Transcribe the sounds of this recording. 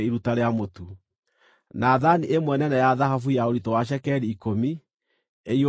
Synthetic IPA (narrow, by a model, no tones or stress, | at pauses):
iɾutaɾeamotu | naðaniʔemwɛnɛnɛjaðaɦafujaoɾitɔwaʃ̬ɛkɛɾiːkomi | eio